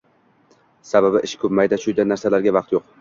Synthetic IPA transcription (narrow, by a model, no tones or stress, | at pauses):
sababɪʔɪʃkʰɵpmajd̪aʃʊjd̪anːaɾsalaɾɡʲavɑqt̪joq̚